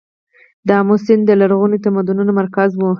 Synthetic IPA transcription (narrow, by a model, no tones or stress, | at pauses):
d̪əamʊsɪnd̪d̪əlaɾɣunit̪amad̪ununomaɾkazwu